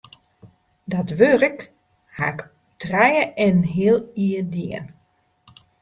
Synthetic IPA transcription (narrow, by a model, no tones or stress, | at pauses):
dɔtʋørək | hak | trɛjəʔɛnɦiəlˠiədiən